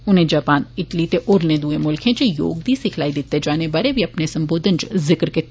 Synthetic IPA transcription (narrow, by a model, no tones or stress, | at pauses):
ʊnɦẽd͡ʒaːpaːnɪʈlit̪eʔʊɾnẽd̪uːẽmʊlkʰɦɛ̃d͡ʒejo̰ːɡd̪isɪkʰlaːid̪ɪt̪ːed͡ʒaːnebaɾebʱiɐpnesɐ̃mboːd̪ʱənt͡ʃzɪkɾke